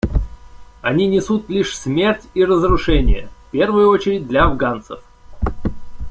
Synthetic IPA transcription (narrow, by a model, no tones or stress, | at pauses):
ɐnʲinʲɪsut̪lʲiʂsmʲe̞rtʲirəzɾʊʂɛnʲɪ̰jə̰fʲpʲe̞rvɨjʊo̞t͡ɕɪɾʲɪd̚ʲd̪lʲɐɐvɡant̪sə̰f